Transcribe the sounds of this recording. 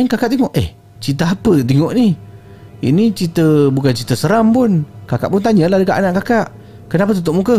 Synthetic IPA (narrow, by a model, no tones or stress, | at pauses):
ənkakaʔt̪iŋoʔeh | t͡ʃit̪̬əɦapət̪̬iŋoʔni | ḭnit͡ʃit̪əbukant͡ʃit̪əsəɾampunkakaʔpunt̪aɲəlahdəkaʔanaʔkakaʔ | kənap̬ət̪ut̪̬oʔmukə